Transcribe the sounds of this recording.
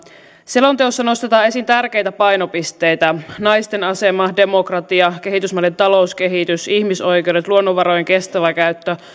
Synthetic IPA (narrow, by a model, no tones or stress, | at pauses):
selo̞nt̪eosːɑno̞st̪e̞t̪ɑːe̞sint̪ærk̟e̞jt̪æpɑjno̞pist̪e̞jt̪ænɑjst̪e̞nɑse̞mɑde̞mo̞krɑt̪iɑk̟e̞ɦit̪ysmɑlent̪ɑlo̞uske̞ɦit̪ysiçmiso̞jk̟e̞wɾet̪luo̞nːoʋɑɾojeŋk̟e̞st̪æʋækæyt̪ːø